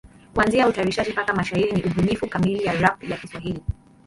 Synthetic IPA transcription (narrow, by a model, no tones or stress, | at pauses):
kuanziautaɾiʃad͡ʒipakamaʃahiɾiniʔuɓunifukamilijaɾafjakiswaɦili